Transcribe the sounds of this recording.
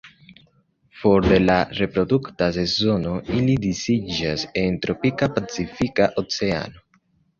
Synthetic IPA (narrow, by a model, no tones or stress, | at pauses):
fo̞ɾd̪e̞laɾe̞pɾo̞d̪uktase̞zo̞no̞ilid̪isid͡ʒase̞nt̪ɾo̞pikapat͡sifikaʔot͡se̞a̰no̞